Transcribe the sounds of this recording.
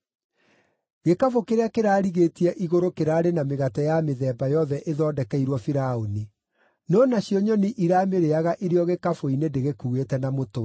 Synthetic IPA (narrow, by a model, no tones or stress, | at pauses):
ɣekafokeɾeakeɾaːɾiɣeːtiɛʔiɣoɾokeɾaːɾenameɣatɛjameðɛːbajɔðɛʔeðɔːdɛkɛiɾwɔfiɾaoni | nɔːnaɕiɔɲɔniʔiɾaːmeɾeaɣaʔeɾeɔɣekafoinendeɣekuːɣetɛnamoto